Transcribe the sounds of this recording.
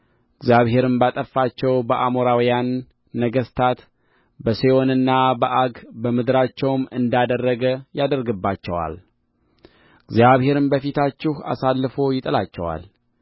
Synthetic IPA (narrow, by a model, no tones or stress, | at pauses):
ɨɡzjaβɦe̞ɾɨmbat̪ʼəfːat͡ʃːɛwbəʔamoɾawjanː | əɡəst̪ʰat̪ | bəseo̞nɨnːabəʔaɡbəmɨd̪ɾat͡ʃːɛwmɨ̰nd̪ad̪ərːəɡəjad̪əɾɡɨbːat͡ʃːɛwa̰l | ɨɡzjaβhe̞ɾɨmbəfit̪ʰat͡ʃːɪha̰salːɨfo̞jɪt̪ʼəlat͡ʃːɛ̰wa̰l